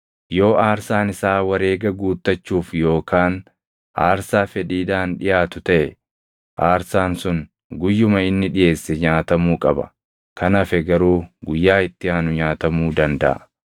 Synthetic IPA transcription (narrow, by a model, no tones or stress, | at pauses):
jo̞ːʔaːɾsaːnɪsaːwɐɾe̞ːɡɐɡuːt̪ːɐt͡ʃːuːfjo̞ːkaːn | ʔa̰ːɾsaːfɛᶑiːd̪aːnᶑɪjaːt̪ʊt̪ɐʔɛ | ʔaːɾsaːnsʊn | ɡʊjːʊmɐɪnːɪᶑɪje̞ːsːɛɲaːt̪ɐmuːkʼɐbɐ̥̰ | kʰɐnɐfɛɡɐɾuːɡʊjːaːɪt̪ːɪaːnʊɲaːt̪ɐmuːd̪ɐnd̪ɐ̰ʔɐ̰